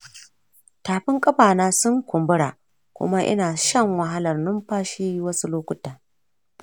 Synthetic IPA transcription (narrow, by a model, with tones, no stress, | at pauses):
taː˨ɸɪ˦ŋkʼɐ˦ɸaː˨naː˦sʊ˦ŋkʷʊ˨mbʊ˦ɽaː˨ | kʷʊ̰˦ma˦ʔɪ̰˦naː˨ʃɐ˦ŋwɐ˨ɦa˦lɐ˨rnʊ˦mɸaː˦ʃiː˦wɐ˦su˦loː˦kʷʊ˦taː˨